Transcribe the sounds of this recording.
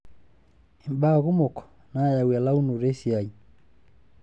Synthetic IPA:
e˨mba˦ɣu˦mo˨kɔ̥˨ | na˨ja˨wa˨la˦u˦nu˨ɾe˦si˨a˨i

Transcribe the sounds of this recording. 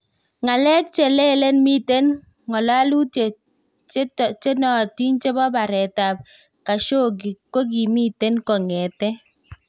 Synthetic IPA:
ŋa˨lɛ˦k̚t͡ʃe˨lɛ˦le˦nmi˦te˦n | ŋɔ˨la˦lu˦te˨˦ | t͡ʃe˦nɔ˨ti˦nt͡ʃe˦bɔ˦ba˨ɾɛ˨ta˨p̚ | ka˨ʃo˦˨ɡ̬i˨ko˦k̬i˨mi˦te˦nkɔ˨ŋɛ˨tɛ˦

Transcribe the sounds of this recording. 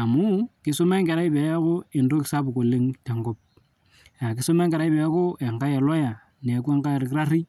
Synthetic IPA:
a˨mu˦kɪ˦so˦ma˦ŋke˨ɾa˦i˦pa˨ja˦ko˦e˨ndo˦kɪ̥˨sa˦bu˨ko˨le˦ŋte˨ŋɡo˦p̚ | ja˨kɪ˨˦so˦me˦ŋɡe˨ɾa˦i˦pe˨ja˦ko˦ʔe˨ŋka˦ja˨la˦ja˨ | n˨a˨kwe˦ŋɡa˦jɾkɾa˦ɾi˦

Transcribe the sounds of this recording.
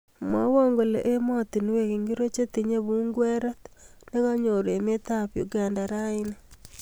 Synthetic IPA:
mwa˦wo˦ŋɡo˨lḛ˨ʔe˦mɔ˦t̪i˨ni˦we˨ki˨ŋɡi˦ɾo˦t͡ʃe˦ti˨ɲe˦βu˦ŋɡwe˦ɾɔ˦tne˦ɣa˦ɲo˨ɾe˨me˦ta˦pjo̰˨ɡa˨nda˨ɾa˦i˦ne

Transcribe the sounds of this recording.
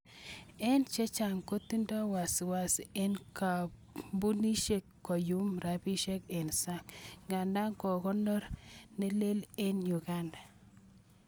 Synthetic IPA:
ɛ˦nt͡ʃe˦t͡ʃa˨ŋko˦t̪i˦ndɔ˦wa˨swa˨se˦nka˨ | bu˦ni˦ʃe˦kːɔ˨ju˦mɾa˨bi˦ʃe˦ke˨nsa˦ŋɡa˨nda˦ŋkɔ˨kɔ˦nɔ˦ɾne˦le˦le˦nju˨ɡa˦nda˨

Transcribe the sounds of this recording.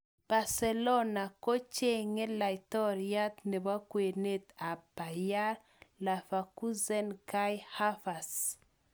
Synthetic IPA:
b̥a˨ɾsɛ˨lɔ˦na˨ko˦t͡ʃe˦ŋe˦la˨itɔ˦ɾia˦t̪ne˨βa˦kwe˨ne˦t̪a˨pa˨ja˦ | la˨fa˨ku˦zɛ˦nka˦jha˦fa˨s

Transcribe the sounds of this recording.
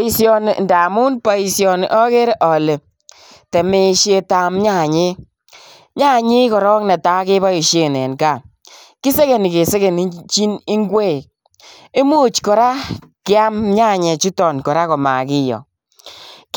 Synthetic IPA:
i˦sjɔ˦n˨nda˨mu˦npa˦i˧sjɔ˧n˨ʔɔ˦ke˦ɾe˦ʔɔ˨le˨ | te˨me˦ʃje˧ta˨mɲa˦˨ɲe˦ | ɲa˦˨ɲɪ˦kɔ˨ɾɔ˦knɛ˨ta˦ke˦ba˦i˨ʃe˨nɛ˨nka˨ | ki˦se˦ke˨ni˨ke˨se˦ke˨n˦t͡ʃi˦nɪ˦ŋɡwe˦˨k̚ | e˦mu˦˨t͡ʃkɔ˨ɾa˦ | kɪ˦a˦mɲa˦˨ɲɛ˨t͡ʃu˦tɔ˨nkɔ˨ɾa˦kɔ˨ma̰˨kɪ˦jɔ̰˨

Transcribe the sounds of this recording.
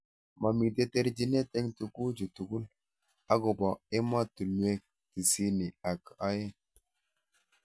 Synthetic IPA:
ma˨mi˨de˦te˦ɾd͡ʒi˦ne˦te˦ŋtu˨ku˦d͡ʒu˨tu˨ɡu˦l | a˦ɡo˨ba˨e˦ma˦tu˨nu˨˦e˦k̚ | ti˨si˦ni˨a˨ka˦je˦

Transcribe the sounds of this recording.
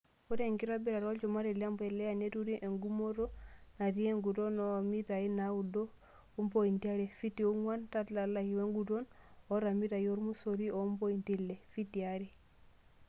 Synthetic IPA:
u˦te˦ŋki˦ɾabi˦ɾa˨ɾɔ˦lt͡ʃɔma˦ɾɛla˦mpɛlɛ˦ja˨ne˦tu˦ɾiʔe˨ŋɡu˦mo˦ɾɔ˦na˨ti˦e˦ŋɡu˨tɔ˦nɔmitainawu˨dɔ˦ | u˦mpoi˨ntia˦ɾɛ˨fi˦tːi˨u˦ŋwa˦ntatla˨lahi˨we˦ŋɡutɔ˦nɔɾa˨mi˦ta˨jo˦ɾmu˦soɾi˦o˦mpo˦intilːɛ˨fi˦tːiaɾi˨

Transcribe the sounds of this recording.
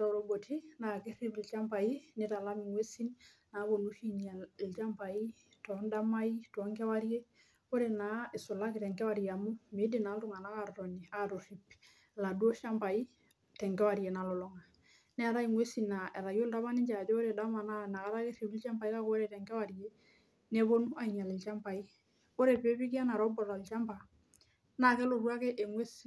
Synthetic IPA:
ɾɔ˨ɾo˨bo˨tʰi˦na˨ke˦ri˦pi˨lt͡ʃa˦mpa˨i˦ne˦ta˨la˦mi˨ŋwe˦si˦n | na˨˦bo˨nu˦ʃi˦nia˨lt͡ʃa˦mpa˨i˦ | tɔ˦nda˦ma˦i˦tɔ˦ŋkɛ˦wa˦ɾje˦ | o˦ɾe˨na˨˦ɪ˨sʊ˨la˦ki˨tɛ˨ŋkɛ˦wa˨ɾija˨mu˦me˨˦de˨na˨˦ltu˦ŋa˨na˦ka˨rtɔ˨ɲi˨a˦to˨ri˨p̚ | la˨du˦ɔ˦ʃa˦mpa˨i˦ | tɛ˨ŋɡɛ˦wa˨ɾi˨e˨na˨lɔ˨lɔ˦ŋa˨ | nɛ˦a˨ɾa˦i˨mwe˦si˨na˨ɛ˨ɾa˨jo˦lda˦βa˦ni˦ɲd͡ʒa˨d͡ʒɔ˦o˦ɾe˨da˦ma˨na˦na˨ka˦ɾa˦ke˦se˨bi˦lt͡ʃa˦mpa˨i˦ka˦ko˦ɾe˨tɛ˨ŋkɛ˦wa˨ɾi˨e˦ | nɛ˦βo˦nu˦a˨i˨ɲa˨lɪ˨lt͡ʃa˦mpa˨i˦ | o˦ɾe˨pe˦bi˦ki˦a˦na˨ɾɔ˦bɔ˨la˨lt͡ʃa˦mpa˨ | na˨kɛ˦lo˨rwa˦ke˦ʔe˨mwe˦s

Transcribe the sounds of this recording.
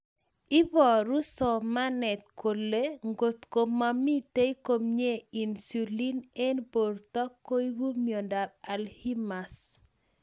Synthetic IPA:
ɪ˦bɔ˨ɾu˦sɔ˨ma˦nɛ˨t̪̚ko˨lːe˦ŋɡo˨t̪ko˨mːami˦t̪e˦i˦ko˦mɲe˦i˨nsu˨li˦ne˦nbo˨rt̪ɔ˦kːo˦i˦wu˦mjɔ˨nda˨b̚a˨lhi˦ma˨s

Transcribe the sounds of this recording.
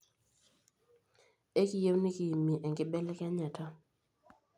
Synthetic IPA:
e˦ki˨je˦wni˦ki˨i˨mi˨ʔɛ˨ŋɡɪ˦bɛ˦lɛ˦kɛ˦ɲa˨tʰɔ˦

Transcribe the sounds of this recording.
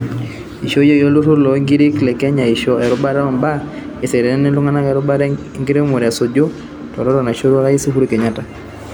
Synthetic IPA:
i˨ʃo˦jo˦˨jɔ˦lu˦ɾo˦ɾlɔ˨˦ŋɡi˦ɾe˦klɛ˨kɛ˦ɲa˨i˨ʃɔ˦ɛ˨ɾɔ˦ba˦ɾa˦ɔ˨mba˦ | e˨sɛ˨ɾɛ˨nɛ˦nɛ˦lu˦ŋa˦na˦kɛ˨ɾɔ˦ba˦ɾ | ŋɡi˦ɾe˦mo˨ɾa˨so˨d͡ʒo˦ | tɔ˨ɾɔ˦ɾɔ˨na˨ʃo˦ɾa˦ɾa˦i˦si˦hu˦ɾu˦ke˨ɲa˦ta˨

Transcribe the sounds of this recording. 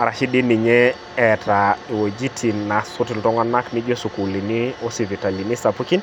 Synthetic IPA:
a˨ɾa˨ʃi˦di˦ni˨ɲɛ˦ | ɛ˨tʰa˨i˨wo˨d͡ʒi˦tʰi˨nːa˨su˦ti˨ltɔ˦ŋa˦na˦kni˦d͡ʒo˦su˨ku˨li˨ni˦o˦si˨vi˨ta˨li˨ni˦sa˨pu˦ki˦n

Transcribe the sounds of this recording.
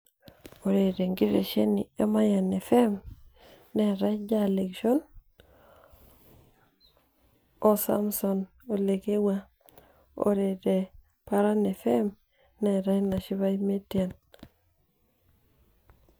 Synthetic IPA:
o˨ɾe˨ɾe˨ŋɡi˦ɾḛ˨ʃe˦ni˨e˦ma˦ja˨ne˨fe˦m | ne˨ɾa˦jd͡ʒa˦le˨kʃo˦n | o˨sa̰˦mso˨n | o˨le˨ke˦wa˦ | o̰˨ɾe˨de˨ | pa˨ɾa˦ne˨fe˦m | ne˨ɾa˦jna˨ʃi˦βa˦me˦tia˨n

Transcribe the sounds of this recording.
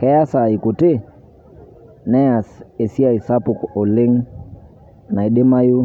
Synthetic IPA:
kɛ˨ja˦sa˨i˨ku˨te˦ | nɛ˦a˨se˨si˦a˦˨i˨sa˦pu˨ko˨lɪ˦ŋ | na˨i˨ɗe˦ma˦ju˦

